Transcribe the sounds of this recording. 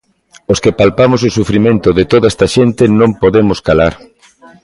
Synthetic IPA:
oskepalpamososufɾimẽnt̪ʊðɪt̪oðaest̪aʃent̪ɪnõmpoðemʊskalaɾ

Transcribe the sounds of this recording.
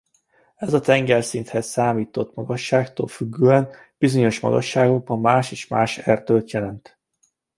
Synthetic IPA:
ɛzɒt̪ɛŋɡɛlsint̪hɛsaːmiːt̪o̞t̪mɒɡɒʃːaːkt̪o̰ːlfyɡːøːɛn | b̥izo̞ɲo̞ʃmɒ̰ɡɒ̰ʃːaːɡo̞ɡ̚bɒmːaːʃeːʃmaːʃɛrt̪øːlt̪jɛlɛnt̪

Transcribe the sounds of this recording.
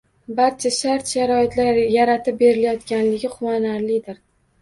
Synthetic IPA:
baɾt͡ʃʰaʃaɾt̪ʃaɾɒɪt̪ʰlaɾjaɾat̪ʰɪp̚be̞ɾɪlajɒt̪kʲanlɪɡʲɪχʊwanaɾlɪd̪ɪɾ

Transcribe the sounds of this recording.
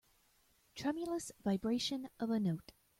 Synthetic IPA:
tʰɹ̥ɛmjl̩ˠəsvaɪbɹeɪʃɨ̃nʔʌvɨnoʊt

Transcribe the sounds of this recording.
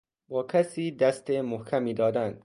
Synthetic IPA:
bɒːkʰæsiːd̪æst̪emohkʰæmiːd̪ɒːd̪ænd̪

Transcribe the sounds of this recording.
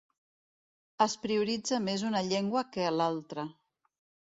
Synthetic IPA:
əspɾiuɾid͡zəmezunəʎɛŋɡwəkəlalˠt̪ɾə

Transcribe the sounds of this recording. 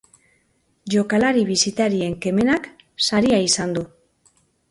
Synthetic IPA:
ʝo̞kalaɾiβisit̪aɾie̞ŋke̞me̞nak | saɾiaisand̪u

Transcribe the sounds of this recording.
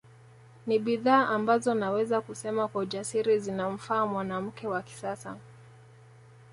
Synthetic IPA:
niɓiðaːʔambazɔnawɛzakusɛmakwaud͡ʒasiɾizinam̩faːmwanam̩kɛwaki̥sasa̰

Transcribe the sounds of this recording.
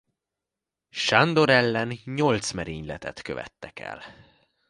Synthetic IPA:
ʃand̪o̞ɾɛlːɛnɲo̞lt̪smɛɾiːɲlɛt̪ɛt̪kø̰vɛ̰t̪ːɛkɛ̰l

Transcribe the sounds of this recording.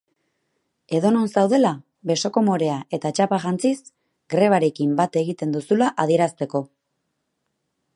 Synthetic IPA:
e̞ðo̞no̞nsawðe̞la | βe̞so̞ko̞mo̞ɾe̞aʔe̞t̪at͡ʃapaʝant͡sis | ɡɾe̞β̞aɾe̞kimbat̪e̞ɣit̪e̞nd̪usulaʔaðie̞ɾast̪e̞ko̞

